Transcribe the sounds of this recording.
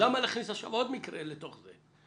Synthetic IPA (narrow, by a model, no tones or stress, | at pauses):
amalaχnisaʃa̰vo̞d̪mikɾelet̪o̞χze